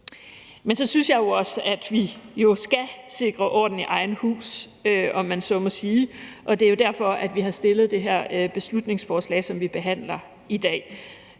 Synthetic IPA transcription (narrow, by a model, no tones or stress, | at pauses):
mensɒ̽synsjɑ̈ɪjo̝ɒ̽səæd̥ʋijo̝sɡ̥æse̝ɡ̥ʁɐʔɒ̰ːd̥n̩iʔɑ̈ɪn̩hṵːs | øʔɒ̽mːænsɒ̽mɔ̽siːʔɒ̽d̥eæjo̝d̥æɐ̰fɒ̽ʔæd̥ʋihɑ̈sd̥e̝lð̞̩ˠd̥e̝ɦæɐ̰øb̥e̝slud̥ne̝ŋsfɒːslɛ̰ːɪsɒ̽mʋib̥e̝ɦæn̰lɐ | id̥ɛ̰ː